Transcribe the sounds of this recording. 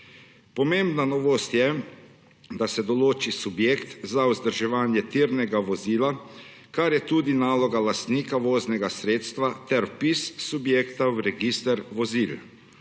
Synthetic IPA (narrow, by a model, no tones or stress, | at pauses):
pɔmeːmbnanɔʋost̪jɛ | d̪asɛd̪ɔloːt͡ʃisubjeːkt̪zauzd̪əɾʒɛʋaːnjɛt̪iːɾnɛɡaʋoziːla | kaɾjɛt̪uːd̪inaːlɔɡalast̪niːkaʋoːznɛɡasɾeːt̪st̪ʋat̪ɛɾpisːubjeːkt̪awɾɛɡist̪ɛɾʋɔziːl